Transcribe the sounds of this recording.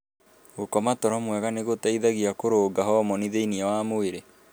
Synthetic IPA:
ɣokɔmatɔɾɔmwɛɣaneɣotaiðaɣiakoɾoːɡaɦɔmɔniðeiniawamoeɾe

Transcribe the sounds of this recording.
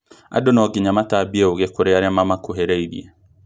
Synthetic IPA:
a̰donɔɡɪɲamatabieoɣekoɾeaɾɛmamakoɦeɾeibḭḛ

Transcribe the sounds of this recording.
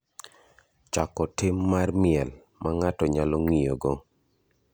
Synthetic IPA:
t͡ʃakɔtɪmːarmɪɛl | maŋatɔɲalɔŋijoɡɔ

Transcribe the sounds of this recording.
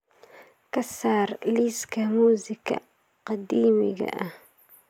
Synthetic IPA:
kɐsaːrliːskʰɐmuːzɪkʰɐ̰ | qɑd̪iːmɪ̰ɣɐ̰ʔɐh

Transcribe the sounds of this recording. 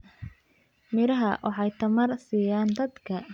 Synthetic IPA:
mɪɾɐɦɐwʔɑħɑjt̪ʰɐmɐrsiːjaːnd̪ɐd̪kʰɐ

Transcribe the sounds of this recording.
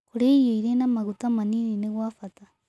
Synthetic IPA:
kuɾejoiɾenamaɣut̪amaninineɣwaːfata

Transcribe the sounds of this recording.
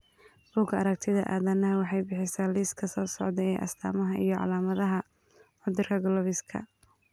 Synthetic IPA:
b̥uːɡɐɾɐk̚t̪ʰɪðɐʔaːðɐnɐɦɐwɑħɑjbɪħɪsaːliːskʰɐsɔːsɔ̰ʕd̪ɛɛʔɐ̰st̪ʰa̰ːmɐɦɐʔḭjɞʕɑ̰laːmɐðɐɦɐ | ʕʊd̪ɪrkʰɐɡɔlɔβɪskʰɐ̰

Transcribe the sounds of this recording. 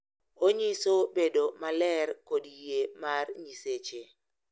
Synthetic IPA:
oɲisobedomalɛrkodijemarɲiset͡ʃe

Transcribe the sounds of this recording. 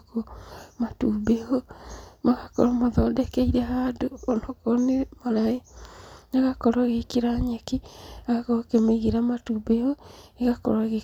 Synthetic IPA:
komatubehomaɣakɔɾɔmaðɔːdɛkɛiɾɛhadoːnɔkɔnemalaenaɣakɔɾaɣekiɾaɲekiaɣɔkemeɣeɾamatuːbehoeɣakɔ̰ɾaɣe

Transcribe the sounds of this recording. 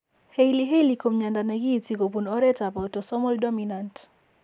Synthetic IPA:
hɛiliɦɛlikɔm̩ɲandanaɡitikɔpunɔɾɛtapawtɔsɔmɔldɔminant

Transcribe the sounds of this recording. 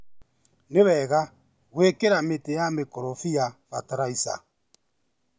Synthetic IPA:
neβɛɣa | ɣwekeɾametejamekɔɾɔfijafa̰taɾaisa̰

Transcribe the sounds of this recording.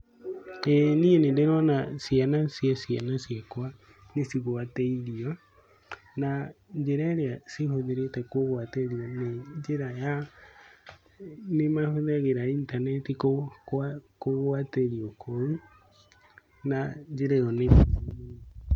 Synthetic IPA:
ɛnienendeɾɔnasjanasjasjanasiakwa | nesiɣwatɛiɾiɔ | naɲd͡ʒeɾaeɾeaseɦoðeɾetɛkoɣwateɾiɔneɲd͡ʒeɾaja | nemahoðɛɣeɾaintanɛtikokkoɣwateɾiɔkʰɔu | nad͡ʒeɾɛɔnem

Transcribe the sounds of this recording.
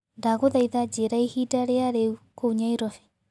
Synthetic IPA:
ndaɣoðaiðad͡ʒeɾaihidaɾeaɾeukouɲaiɾɔfɛ̥

